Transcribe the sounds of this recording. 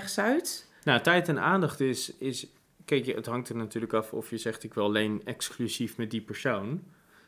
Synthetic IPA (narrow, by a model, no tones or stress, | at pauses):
χsœɥt | natɛjtɛna̰ːndɑχtɪsɪs | kɛjkə̰tɦɑŋk̚təɹnatyːɹləkɑfɔ̰fjəzɛχtɪkʋɪlˠlejnɛksklyzifmɛt̚dipəɹsown